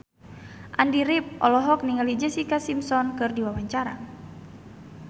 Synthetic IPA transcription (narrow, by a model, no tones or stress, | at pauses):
ʔandiɾip̚ʔɔ̰lɔɦɔk̚niŋalid͡ʒɛsikasimsɔnkɨrdiwawaɲt͡ʃaɾa̰